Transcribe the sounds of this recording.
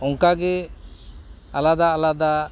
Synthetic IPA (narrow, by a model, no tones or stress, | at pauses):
ɔŋkaɡɛ | alad̪aːlad̪a